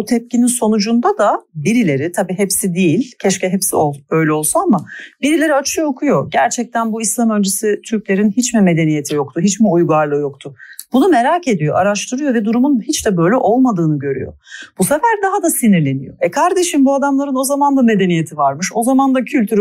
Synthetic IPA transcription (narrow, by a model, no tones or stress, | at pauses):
ut̪ʰɛp̚cininso̞nud͡ʒund̪ad̪abiɾilʲe̞ɾit̪ʰabiːɦɛpsid̪ijilʲcʰɛʃcɛɦɛpsioø̞jlʲɛo̞lˠsunamabiɾilʲe̞ɾiat͡ʃʰɯjo̞kʰujo̞ɟæɾt͡ʃʰɛc̚t̪ʰænbuislˠamø̞lʲd͡ʒesit̪ʰyɾclʲe̞ɾinhit͡ʃmime̞d̪e̞nije̞t̪ʰijo̞k̚t̪ʰuɦit͡ʃmiujɡaɾlˠɯjo̞k̚t̪ʰʊb̥unume̞ɾaːcʰe̞d̪ijo̞̰ʔaɾaʃt̪ʰɯɾɯjo̞vɛd̪uɾumunhit͡ʃd̪ɛbø̞jlʲɛʔo̞lˠmad̪ɯːnɯɟø̞ɾy̰jo̰busefæɾd̪aɦad̪asiniɾlʲe̞nijo̞̰ɛkʰaɾd̪e̞ʃinbuad̪amlˠaɾɯno̞zamand̪ame̞d̪e̞nije̞t̪ʰivaɾmɯʃo̞zamand̪acʰylʲt̪yɾ